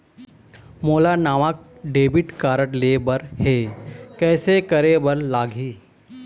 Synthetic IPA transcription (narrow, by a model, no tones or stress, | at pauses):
moːlanaːʋak̚ɖeːbɪʈkaːɾəʈlebəɾheːkɛːsekɐɾebəɾlaːɡʱiː